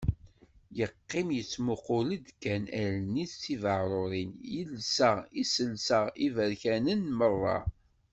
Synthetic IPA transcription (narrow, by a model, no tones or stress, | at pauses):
jəqːɪmjət͡sːmʊqʊlid̪kːænæɾniθːivəʁɾˤoɾˤinjəlsəʁisəlsəʁivəɾçænənmərˤːɑ̰